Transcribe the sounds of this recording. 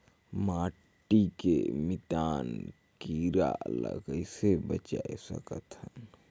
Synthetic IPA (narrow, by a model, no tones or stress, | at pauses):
maː | ʈːikemit̪aːn | kiɾa̰ləɡəɪsebət͡ʃaesə̰kət̪hən